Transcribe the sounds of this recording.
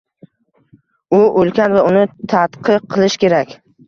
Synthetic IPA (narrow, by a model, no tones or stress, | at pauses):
ʊʔolkʲʰanvaʊnɪt̪ʰat̪qʰɨq̚ʰːɨlˠɪʃkʲe̞ɾakʲ